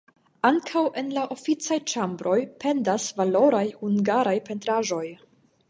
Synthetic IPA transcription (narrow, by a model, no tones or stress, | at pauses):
aŋkʰawʔe̞nlaʔo̞fit͡sajt͡ʃambɾo̞jpe̞ndasvalo̞ɾajhuŋɡaɾajpe̞ntɾaʒo̞j